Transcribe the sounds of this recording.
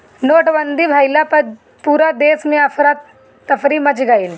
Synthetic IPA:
noːʈbənd̪ʱibʱaːjlapɐ | puːɾad̪eːsmẽɐfɾat̪ː | ɐfɾimɐt͡ʃɡail

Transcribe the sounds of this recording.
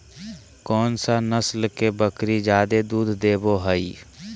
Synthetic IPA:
kɔːnsanəslkebəkɾid͡ʒjaːd̪ed̪uːd̪ʱd̪eːboɦəi

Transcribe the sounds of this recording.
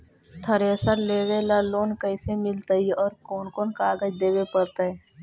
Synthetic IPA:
t̪ʰəɾeəsəɾleːʋelaloːnkəɪsemɪlt̪aɦiɔːɾkoːnkoːnkaːɡəd͡ʒd̪eːwepəɽt̪aɦɛː

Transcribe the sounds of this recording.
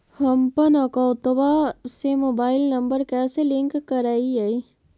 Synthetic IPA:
həmpənəkɔwt̪basemoːbaːɪlnɐ̃mbəɾkɛːselɪ̃ŋkːəɾaːiai

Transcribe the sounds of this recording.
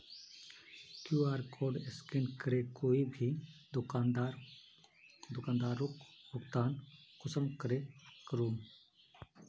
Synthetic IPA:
kjuːaːɾkʰoːɾɖɪskɪnkəɾeːkoːibʱid̪ʊaːnd̪aɾ | d̪ʊkaːnd̪aːɾʊkbʊkt̪aːnkʊsəmkəɾeːkəɾuːm

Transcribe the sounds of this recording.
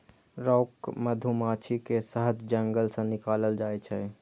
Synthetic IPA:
ɾɔːkməd̪ʱumat͡ʃʰikesəɦəd̪d͡ʒəŋɡəlsə̃nikaləld͡ʒaːjt͡ʃʰɛ

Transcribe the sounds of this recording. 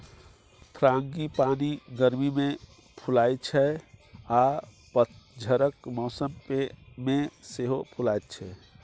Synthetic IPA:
t̪ʰɾaŋɡipaniɡəɾmime | pʰulajt͡ʃʰɛa | pət̪d͡ʒʱəɾəkmɔsəmpemeseɦopʰulajt̪̚t͡ʃʰɛ

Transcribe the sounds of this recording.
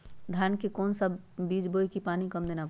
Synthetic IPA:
d̪ʱjaːnkekɔːnsəb | biːd͡ʒboːikipaːnikɐmd̪eːna

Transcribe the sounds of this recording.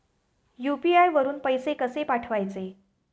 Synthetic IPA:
jupiajʋəɾuːnpəjsekəsepaʈʰʋajt͡se

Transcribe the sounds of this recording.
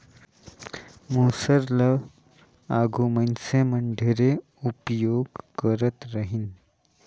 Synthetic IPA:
musəɾlə | aɡʱumənsẽməɳɖʱeɾe | upjoɡkəɾət̪ɾəɦin

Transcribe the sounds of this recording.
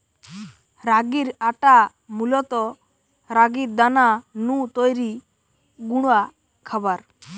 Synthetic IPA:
ɾaɡiɾaʈa | mulɔt̪ɔ | ɾaɡiɾd̪ananũt̪ojɾi | ɡuɽ̃a | kʰabaɾ

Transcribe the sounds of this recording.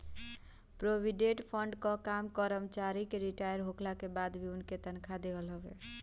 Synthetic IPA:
pɾobʱiɖeʈpʰəɳɖkɔkamkəɾəmt͡ʃaɾikeɾiʈajəɾɦoklakebad̪bʱiunket̪ənkʰad̪eɦəlɦəbḛ

